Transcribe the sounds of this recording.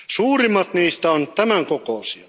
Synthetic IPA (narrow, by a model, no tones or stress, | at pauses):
suːrimːˑɑt̪niːst̪æont̪æmæŋkokoˑusio